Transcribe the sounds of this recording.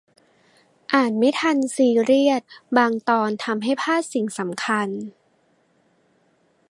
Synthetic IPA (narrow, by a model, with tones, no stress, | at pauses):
ʔaː˨˩t̪̚ma˦˥˩t̪ʰa˧nsiː˧ɾi˥˩ət̪̚baː˧ŋt̪ɔː˧nt̪ʰa˧mɦa˥˩jpʰaː˥˩t̪̚si˨˩ŋsa˩˦mkʰa˧n